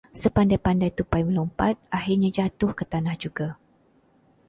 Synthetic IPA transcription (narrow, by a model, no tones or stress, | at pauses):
səpandajpandajt̪upajməlɔmpat̪̚ahirɲãd͡ʒat̪ʊhkət̪anahd͡ʒuɡa